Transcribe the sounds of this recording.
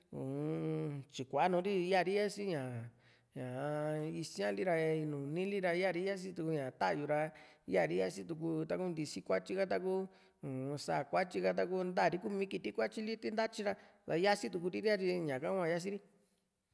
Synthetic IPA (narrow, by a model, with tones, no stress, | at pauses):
u˨˧t͡ʃi˨kʷa˨˦nũ˧˦ɾi˦ja˦˧˨ɾi˦ja˦si˦ɲã˨ | ɲã˨˧i˧sã˦li˦ɾa˧i˧nũː˨nĩ˦li˦ɾa˧˦ja˦˨ɾi˦ja˦s̬i˦t̪u˧ku˧ɲã˨t̪a˦˧ju˧ɾa˧˦ja˦˨ɾi˦ja˦si˦t̪u˧k̬u˧t̪a˧ku˦nd̪i˧si˦kʷa˦t͡ʃi˦˧ka˦t̪a˧ku˦ | ũ˨˧sa̰˧˨kʷa˦t͡ʃi˧ka˧t̪̬a˧ku˦nd̪a˦˨ɾi˦ku˦˧mĩ˧˦ki˧t̪i˦kʷa˦t͡ʃi˦li˦t̪i˦nd̪a˦t͡ʃi˧ɾa˧ | ða˧ja˦si˦t̪̬u˧k̬u˧ɾi˦ɾi˦a˧t͡ʃi˧ɲã˨kã˦ã˧ja˦s̬i˦ɾi˦